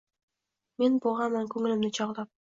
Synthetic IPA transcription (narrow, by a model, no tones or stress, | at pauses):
menbuʁɑnmɑŋkʲʰɵŋɪ̆lɪmd̪ɪt͡ʃʰɑʁd̪ˠɑp̚